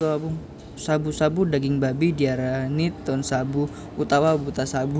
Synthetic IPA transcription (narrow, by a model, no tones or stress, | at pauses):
abuŋ | sabusabudaɡɪŋbabidiaɾanit̪ːɔnsabu | ut̪awabut̪asabu